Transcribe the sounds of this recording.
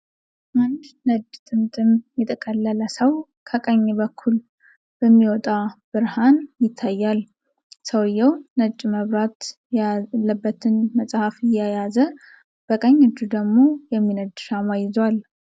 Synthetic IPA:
ʔand̪nəd͡ʒt̪ʼɨmt̪ʼɨmjɛt̪ʼʰəkʼəlːələsəw | kʰəkʼəɲːbəkʰːul | b̥əmːiwɔt̪ʼab̥ɨɾhanjɪt̪ʰːajːal | səwjːɛwnəd͡ʒʼməβɾat̪ | lːəbːət̪ʰɨnməsʼhafɪjajazə | b̥əkʼəɲːɨd͡ʒːud̪əɡmo̞jɛmːinəd̪ʃamajɪzwal

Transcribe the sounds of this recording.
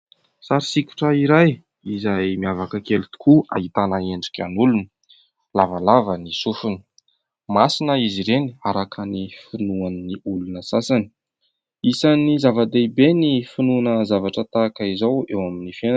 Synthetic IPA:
saɾisiku̥ʈ͡ʂəiɾaj | izajmiavakəkelut̪u̥kua̰ɦit̪anaeɳɖ͡ʐikʲa̰nulunə | lavalavənisufunə̥ | masinəiziɾeniaɾakənifinuanniulunəsasani̥ | isanizavad̪eibenifinunəzavaʈ͡ʂət̪akəizawewaminifenan

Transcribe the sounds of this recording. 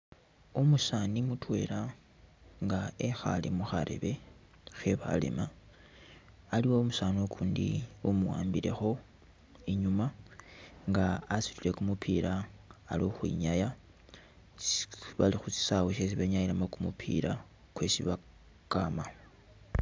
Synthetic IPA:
umusaːnimutwe̞ɾa | ŋɡaexa̰lḭmuxaɾḛβe̞ | xeβa̰lḛma | aliwoːmusaːniokʰuːndḭumuwa̰ːmbiɾe̞̰xo̞ | iɲuma | ŋɡaːsitile̞kumupʰiɾaːloxwḭɲaja | βalixut͡si̥saweʃes̬iβeɲajilamokumupʰḭɾa | kwe̞siβa | kama

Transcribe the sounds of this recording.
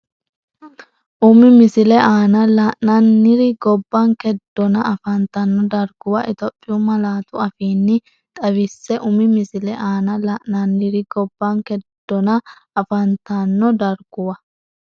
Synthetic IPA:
ʔʊmɪmɪsɪlɛʔaːnɐlaʔnɐnːɪɾɪɡɔbːaŋkɛd̪̥ːɔnɐɐfɐnt̪ɐnːɔd̪ɐɾɡʊwɐʔɪt̪ɔpʼːɪjumɐlaːt̪ʊɐfiːnːɪ | t̪ʼɐβɪsːɛʔʊmɪmɪsɪlɛʔaːnɐlaʔnɐnːɪɾɪɡɔbːaŋkɛd̪̥ːɔnɐ | ɐfɐnt̪anːɔd̪ɐɾɡ̥ʊwɐ

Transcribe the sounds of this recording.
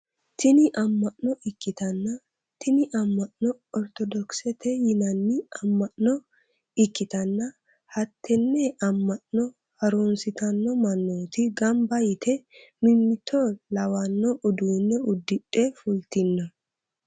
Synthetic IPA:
t̪ɪnɪʔɐmːɐʔnɔʔɪkːɪt̪ɐnːɐ | t̪ʰɪnɪʔɐmːɐʔnɔ | ɔɾt̪ɔd̪ɔksɛt̪ʰɛjɪnɐnːɪɐmːɐʔnɔ | ɪkːɪt̪ɐnːɐ | hɐt̪ʰːɛnːɛʔɐmːɐʔnɔ | hɐɾunsɪt̪ɐnːɔmɐnːoːt̪ɪɡɐmbɐjɪt̪ʰɛmɪmːɪt̪ʰːɔlɐwɐnːɔʔʊd̪unːɛʊd̪ːɪᶑʼːɛfʊlt̪ɪnːɐ

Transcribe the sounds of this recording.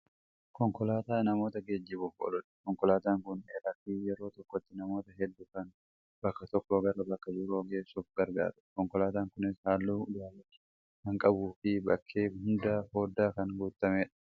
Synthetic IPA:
kɔŋkɔlaːt̪aːnɐmo̞ːt̪ɐɡeːd͡ʒːɪbʊfɔ̰lʊᶑkɔŋkɔlaːt̪aːŋkʊneːɾɐfijɛɾo̞ːt̪ɔkːɔt̪ːɪnɐmo̞ːt̪ɐɦɛd̪ːʊkɐn | bɐkːɐt̪ɔkːoɡɐɾɐbɐkːɐd͡ʒɪɾoːɡe̞ːsːuːfɡɐɾɡa̰ːɾʊ̥kɔŋkɔlaːt̪aːŋkʊnɪshaːlːuːd̪aːlɐtː | hɐŋkʼɐbuːfɪbɐkʰːeːhʊnd̪aːho̞ːd̪ːaːkɐnɡuːt̪ːɐmeːᶑɐ̥

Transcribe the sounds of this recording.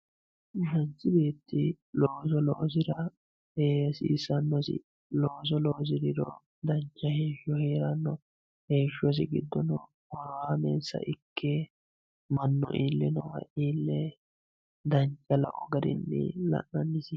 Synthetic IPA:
sɐnt͡sːɪbe̞ːt̪ːɪ | loːsɔlɔʔs̬ɪɾɐ | heːsɪːsɐnːɔsɪ̰ | loːs̬ɔloːs̬ɪd̪ɪɾɔ | d̪ɐnt͡ʃʼːɐheːʃɔheːɾɐnːɔ | heːʃɔs̬ɪɡɪd̪ːɔnɔ | wɐɾaːmḛːnsɐ̰ʔɪkːe | mɐnːɔ̰ʔiːlːɪnɔwɐ̰ʔiːlːɛ | d̪ɐɲt͡ʃʼːɐlɐ̰kʼɔɡɐd̪ɪ̰nːɪ̰lɐ̰ʔːɐnːɪsɪ

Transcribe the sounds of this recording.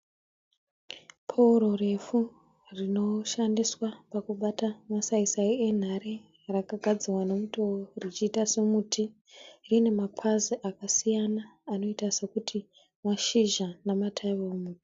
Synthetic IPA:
pʰouɾore̞fu | rino̞ʃandiswapakuɓatamasaisaie̞n̤aɾi | rakaɡʱad͡zirwanemutoorit͡ʃiːtasemutʰi | rine̞mapʰaziʔakasijanaːno̞itasekutʰi | maʃiʒanamatʰaiβaomuːti̥

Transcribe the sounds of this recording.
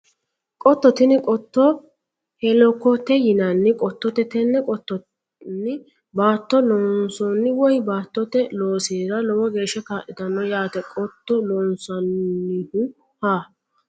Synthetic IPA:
kʼɔt̪ːɔt̪ɪnɪkʼɔt̪ːɔ | hɛlɔkːɔt̪ɛjɪnɐnːɪkʼɔt̪ːɔt̪ɛt̪ɛnːɛkʼɔt̪ːɔ | nɪ | baːt̪ːɔlɔːnsɔnːɪwɔjbaːt̪ːɔt̪ɛloːseːɾɐlɔwɔɡe̞ːʃːɛkaːʔɪd̪ɐnːɔjaːt̪ɛkʼɔt̪ːɔlɔːnsɐnːɪhʊ | haː

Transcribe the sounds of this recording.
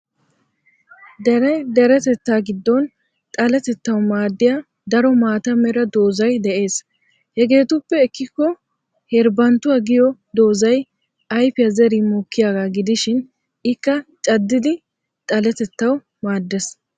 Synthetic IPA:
d̪ɛɾɛjd̪ɛɾɛt̪ɛt̪ːaːɡɪd̪ːɔn | t̪ʼɐlɛt̪ɛt̪ːɐwmaːd̪ːɪja | d̪ɐɾɔmaːt̪ɐmɛɾɐd̪o̞ːzɐjd̪ɛʔe̞ːs | hɛɡe̞ːt̪ʊpːɛɪkːɪkːɔ | hɛɾbɐnt̪ːʊɐɡɪjɔd̪o̞ːzɐj | ɐjfɪjɐzɛɾimoːkːɪjaːɡaːɡɪd̪ɪʃɪn | ɪkːɐt͡ʃʼɐd̪ːɪd̪ɪ | t̪ʼɐlɛt̪ɛt̪ːɐw | maːd̪ːɛs

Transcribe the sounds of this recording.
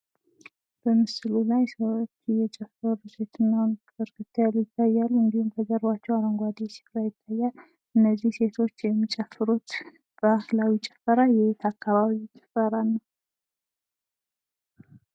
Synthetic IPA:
b̥əmɨslulajsəβt̪ʰːijɛt͡ʃʼɛfəɾuse̞t̪ɨnːahon | əɾkɨt̪ʰːalujɪt̪ʼːajːalːuɨnd̪ihumkʰəzəɾbat͡ʃːɛwaɾəŋɡʷad̪isi̥fɾajɪt̪ʼːajːal | ʔɨnːəzːihse̞t̪ʰo̞t͡ʃːjɛmːit͡ʃʼɛfɨɾut̪ | b̥ahlawit͡ʃʼɛ̥fːəɾajɛet̪ʰakʰːaβaβit͡ʃʼɛ̥fːəɾanːəw

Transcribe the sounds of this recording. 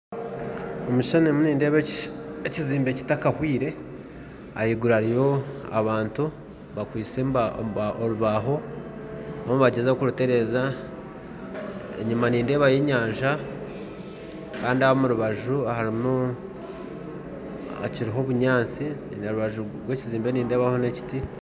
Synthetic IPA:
omuʃonemuniːnde̞ːβeeciziːmbe̞ci̥takahwiːɾe̞ | a̰jiɡuɾaɾijo̞a̰βaːntu | βakwiːt͡sembaoɾuβaɦo̞ | omuβaɟezaokuɾute̞ɾe̞za | ḛɲumaniːnde̞ːβajeɲaːɲʒa | kaːndiaβomuɾuβaʒuahaɾimu | a̰ciɾiɦo̞βuɲaːnt͡sineɾuβaʒu | ɡwe̞ːciziːmbe̞niːnde̞ːβaho̞ne̞ci̥ti

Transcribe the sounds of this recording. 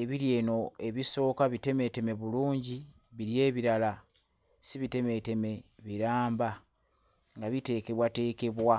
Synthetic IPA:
eβiɾje̞ːno̞e̞βiso̞ːkaβite̞me̞te̞me̞βuluːɲɟi | βiɾje̞ːβiɾala | siβite̞me̞te̞me̞βiɾaːmba | ŋɡaβite̞ːke̞βwate̞ːke̞βwa

